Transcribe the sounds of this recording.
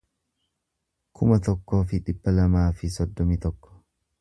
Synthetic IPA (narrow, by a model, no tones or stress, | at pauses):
kʰʊmɐt̪ɔkːo̞ːfɪᶑɪb̥ːɐlɐmaːfɪsɔd̪ːɔmit̪ɔkːɔ̥